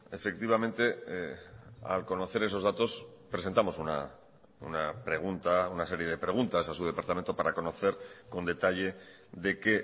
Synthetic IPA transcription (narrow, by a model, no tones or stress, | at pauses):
e̞fe̞k̚t̪iβ̞amẽ̞nt̪e̞ | a̰lko̞no̞θe̞ɾe̞so̞zðat̪o̞spɾesent̪amo̞suna̰ | ṵnapɾe̞ɣ̞unt̪aunase̞ɾje̞ð̞e̞pɾe̞ɣ̞unt̪asasuð̞e̞paɾt̪ame̞nt̪o̞paɾako̞no̞θe̞ɾko̞nd̪e̞t̪aʎe̞ | ðe̞ke̞